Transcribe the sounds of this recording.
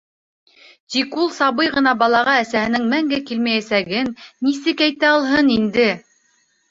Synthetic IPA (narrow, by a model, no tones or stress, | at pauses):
t̪ikulˠsɑβɤjʁɤ̆nɑbɑlˠɑʁɑæsæhɘ̆nɘŋmæŋɡækilmæjæsæɡɘnːisɘkæjt̪æɑlˠɦɤnind̪ɘ